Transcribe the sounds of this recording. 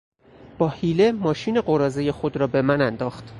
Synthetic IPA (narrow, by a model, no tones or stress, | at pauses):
b̥ɒːhiːlemɒːʃiːne̞ɢoɾɒːzejexo̞d̪ɾɒːbe̞mænænd̪ɒːxt̪